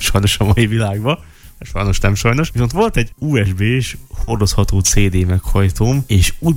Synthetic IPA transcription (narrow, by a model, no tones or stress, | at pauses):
ʃɒjno̞ʃɒmɒivilaːɡbɒ | ɛʃɒ̰jno̞ʃnɛmʃɒjno̞ʃʋis̬o̞nt̪ʋo̞lt̪ɛɟuːɛʒbeːʃho̞rd̪o̞shɒt̪oːt̪seːd̪eːmɛkhɒjt̪oːmeːʃuː